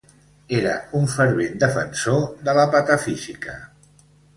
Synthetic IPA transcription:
eɾə̰uɱfəɾβend̪əfə̰nsoðələpat̪əfizikə

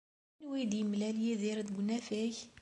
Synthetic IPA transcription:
nwijd̪jəmlæljiðiɾd̪ɡʷnæfæç

